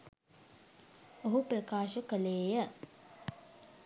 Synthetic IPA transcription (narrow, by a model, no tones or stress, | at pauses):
oɦuprəkaːʃəkəleːjə